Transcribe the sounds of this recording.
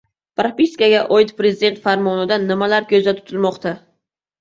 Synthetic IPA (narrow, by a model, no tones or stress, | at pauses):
pɾapiskaɡʲaʔɒjɪt̪pɾezɪd̪e̞nt̪faɾmɒnɪd̪anːɪmalaɾkʲʰɵzd̪at̪ʰʊ̥t̪ʰɪlˠmɒqt̪ʰa